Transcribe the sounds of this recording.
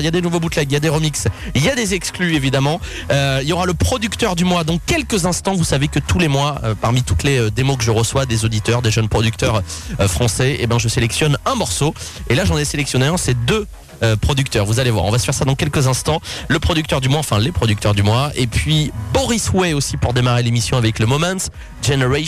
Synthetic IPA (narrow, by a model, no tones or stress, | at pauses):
iljad̪enuvobut̪laɡjad̪eʁəmiksiljad̪ezɛksklyevid̪amɑ̃ | øiljɔʁaləpχɔd̪ykt̪œʁd̪ymwad̪ɑ̃kʲɛlkəzɛ̃st̪ɑ̃vusavekət̪ulemwaø̰paʁmit̪ut̪leød̪emokəʒəʁəswad̪ezod̪it̪œʁd̪eʒənpχɔd̪yk̚t̪œʁfχɑ̃sɛḛbjɛ̃ʒəselɛksjɔnɛ̃mɔʁsoelaʒɑ̃nɛselɛksjɔneɛ̃sɛd̪ø | øpχɔd̪yk̚t̪œʁvuzalevwa̰ʁɔ̃vasə̥fɛʁsad̪ɑ̃kʲɛlkəzɛ̃st̪ɑ̃ləpχɔd̪yk̚t̪œʁd̪ymwaɑ̃fɛ̃lepχɔd̪yk̚t̪œʁd̪ymwaepɥibɔʁiswɛosipuʁd̪emaʁelemisjɔ̃avɛkləmɔmɛ̃ns | ʒeneʁa